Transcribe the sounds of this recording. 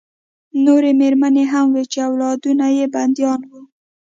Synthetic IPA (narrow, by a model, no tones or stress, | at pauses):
noɾemeɾmaneɦamwet͡ʃeawlɑd̪unajeband̪jɑnwu